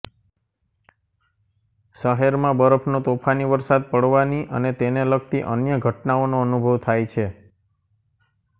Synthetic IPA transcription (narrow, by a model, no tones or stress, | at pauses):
ʃəɦeɾmãbəɾəpʰnot̪opʰaniʋəɾsad̪̚pəɽʋaniʔə̰net̪enelək̚t̪iʔə̰njəɡʱəʈnaonoənubʱəʋt̪ʰajt͡ʃʰe